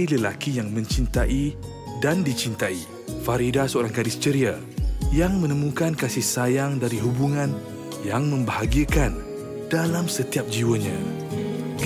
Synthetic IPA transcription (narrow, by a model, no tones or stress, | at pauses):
iləlakijaŋmə̃ɲt͡ʃint̪aʔi | dandit͡ʃint̪ai | faɾidasəoɾaŋkadist͡ʃəɾia | jaŋmə̃nə̃mũkankasɪhsajaŋdaɾiɦubuŋãn | jaŋmə̃mbəhaɡiəkan | d̥alamsət̪iap̚d͡ʒiwəɲã | k